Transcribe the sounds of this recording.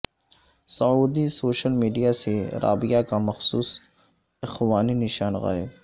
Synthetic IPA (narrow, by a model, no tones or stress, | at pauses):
sɐuːd̪isoːʃəlmiːɖijaseɾʔa̰ːbɪjakamɐxsuːs | ɪxwaːninɪʃaːnɣa̰ːeː